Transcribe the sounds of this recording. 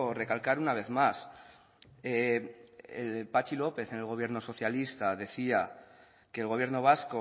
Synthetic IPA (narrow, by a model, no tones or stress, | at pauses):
re̞kalkaɾunaβ̞e̞θmas | e | ḛlpat͡ʃilo̞pe̞θe̞ne̞lɣ̞o̞βje̞ɾno̞so̞θjalist̪aðe̞θia | keːlɣo̞βje̞ɾno̞β̞asko